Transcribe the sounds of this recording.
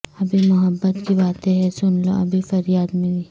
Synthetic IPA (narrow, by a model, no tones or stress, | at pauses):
ɐbʱimʊɦəbːət̪kibaːt̪ẽɦɛsʊnlo̰ʔɐbʱifɐɾjaːd̪mɪ̃biː